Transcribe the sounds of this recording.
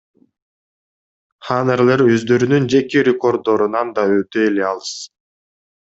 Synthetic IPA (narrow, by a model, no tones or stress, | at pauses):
χaneɾlʲeɾø̞zd̪ø̞ɾynynd͡ʒe̞kiɾʲeko̞rd̪o̞ɾunɑnd̪ɑøt̪øeleɑlˠɯs